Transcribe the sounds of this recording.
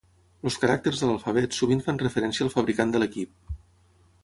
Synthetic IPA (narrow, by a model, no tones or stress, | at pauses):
luskəɾak̚t̪ərzðələlˠfəβ̞ɛt̪suβinfanrəfəɾɛnsiəːlˠfəβɾikand̪ələkip̚